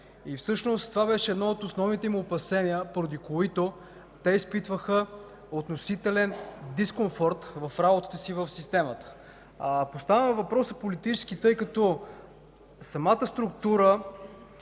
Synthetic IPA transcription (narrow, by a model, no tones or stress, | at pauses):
ifsɤʃnost̪ːovabɛʃɛːd̪nɔot̪osnɔvnit̪ɛmuopɐsɛniəpoɾod̪ikoit̪o | t̪ɛispit̪vəxə | ot̪nosit̪ɛlɛnd̪iskoɱfɔɾt̪vɐfɾabot̪ə̥t̪əsivəfsist̪ɛmət̪ə̥ | post̪avəmɛvɐpɾɔsɐpolit̪it͡ʃɛ̥sk̟it̪ɤjkɐt̪ɔ | sɐmat̪əst̪ɾʊkt̪uɾə